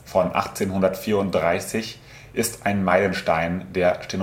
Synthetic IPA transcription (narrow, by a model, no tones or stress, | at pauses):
fɔnʔa̰χt͡seːnhʊndɐtfiːɐʊnt̚d̥ʁaɪsɪç | ʔɪstʔaɪnmaɪlənʃtaɪndeːɐʃten